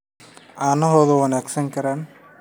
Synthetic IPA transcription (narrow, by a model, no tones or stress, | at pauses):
aːnɐɦoːðowɐnaːksɐŋkɐɾaːn